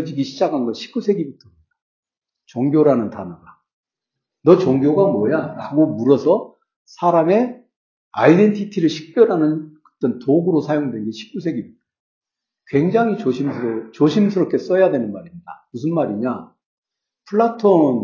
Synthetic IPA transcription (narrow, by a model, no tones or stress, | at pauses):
d͡ʑiɡiɕʰid͡ʑaɡanɡʌnɕʰi̥k̚k͈usʰe̞ɡibutʰʌ | dḁ | t͡ɕʌŋɡjoɾanɯntanʌɡa | nʌt͡ɕʌŋɡjoɡamwʌjaɾaɡomuɾʌsʰʌ | sʰaɾame̞ | a̰ide̞ntʰitʰiɾɯɭɕʰi̥k̚p͈jʌɾɦanɯnkɯ̥t͈ʌntoɡɯɾosʰajoŋdwenɡeɕʰi̥k̚k͈usʰe̞ɡibutʰʌ | kwe̞ŋd͡ʑaŋɦit͡ɕoɕʰimʰɯɾot͡ɕoɕʰimsʰɯɾʌp̚k͈e̞s͈ʌjadwe̞nɯnmaɾimɲidamusʰɯnmaɾiɲa | pʰɯɭːatʰon